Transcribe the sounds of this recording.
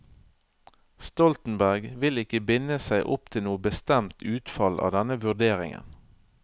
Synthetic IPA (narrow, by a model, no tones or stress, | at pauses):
st̪ɔlt̪n̩bæʁɡʋɪlɪkəbɪnəsæɪʔʊp̚t̪ʰɪlnuːəbəst̪ɛmt̪ʰʉːt̪fɑlʔɑ̰ːʋd̪ɛnəʋʉd̪eːʁɪ̰ŋə̰n